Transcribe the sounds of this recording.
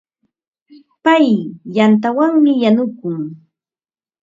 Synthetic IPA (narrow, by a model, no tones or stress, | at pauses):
pajjant̪awaŋmɪjanʊkʊŋ